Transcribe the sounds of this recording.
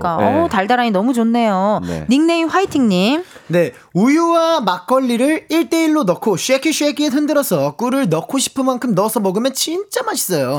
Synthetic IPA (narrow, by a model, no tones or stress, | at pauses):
k͈aʌtaɭdaɾaɲinʌmud͡ʑonːe̞jo̰niŋne̞imɸwaitʰiŋɲimne̞ | ujuwamak̚k͈ʌʎːiɾɯɭiɭt͈e̞iɭːonʌkʰoɕʰuekʰiɕʰiekʰietʰɯndɯɾʌsʰʌk͈uɾɯɭnʌkʰoɕʰi̥pʰɯnmːankʰɯmnʌsʰʌmʌɡɯmjʌnt͡ɕint͡ɕ͈amaɕʰi̥s͈ʌjo